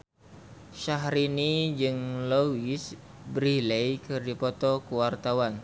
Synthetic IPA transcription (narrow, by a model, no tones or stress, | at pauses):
ʃaɦɾinid͡ʒɨŋlowis | bɾilejkɨrdipɔt̪ɔkuwart̪awan